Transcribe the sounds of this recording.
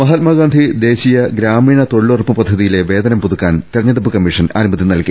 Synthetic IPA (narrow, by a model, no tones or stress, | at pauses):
mɐɦɐt̪̚maːɡaːnd̪ʱid̪e̞ːɕijɐɡɾaːmiːɳɐt̪o̞ɭːorpːɨpɐd̪ʱːɐðijile̞ʋe̞ːd̪ɐnɐmpuðukːaːnt̪iɾɐɲːeɽupːɨkɐmːiʂɐna̰ːnumɐt̪ːiɐnɐɭki